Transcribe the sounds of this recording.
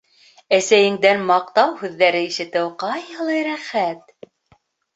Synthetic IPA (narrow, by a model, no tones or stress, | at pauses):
æsæjɘ̆ŋd̪ænmɑq̚t̪ɑwhʉðːæɾɘiʃɘ̆t̪ɘwqɑjɤ̆lˠɤjɾæχæt̪̚